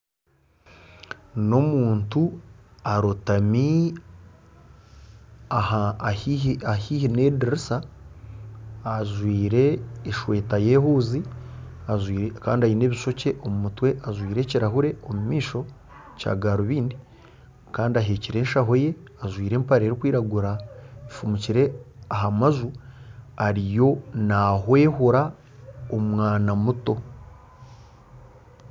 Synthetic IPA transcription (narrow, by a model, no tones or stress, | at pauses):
no̞muːntuaɾotami | aha | ahiːhine̞diɾisa | ʒwiːɾe̞ːʃwe̞ːtaje̞ːhuːziazwiːɾka̰ːndiajine̞ːβiʃo̞ce̞ʔomumutwe̞ʔazwiːɾe̞ciɾaɦuɾe̞omumiːʃo̞ | ca̰ːɡaːɾoβiːndi | kaːndiaɦeːciɾe̞ːnʃaɦo̞je̞ | aʒwiːɾe̞ːmpaɾeːɾikwiːɾaɡuɾaifumuciɾe̞aɦamazu | aɾijo̞naɦwe̞ːhuɾa | omwaːnamuto̞